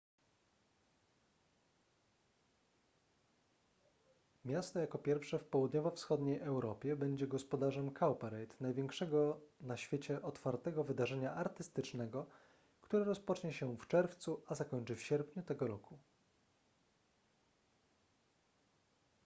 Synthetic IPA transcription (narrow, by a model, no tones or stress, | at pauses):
mʲjast̪ɔjakɔpʲjɛɾfʂɛfpɔwud̪ɲɔvɔfsxɔd̪ɲejʔɛwɾɔpʲjɛbɛɲd͡ʑɛɡɔspɔd̪aʐɛmkʰawpɛɾɛjt̪najvʲjɛŋkʂɛɡɔnaɕfʲjet͡ɕɛʔɔt̪faɾt̪ɛɡɔvɘd̪aʐɛɲaʔaɾt̪ɘst̪ɘt͡ʂnɛɡɔ | kt̪uɾɛɾɔspɔt͡ʂɲɛɕɛft͡ʂɛɾft̪suʔazakɔɲt͡ʂɘfɕɛɾpɲut̪ɛɡɔɾɔkʰu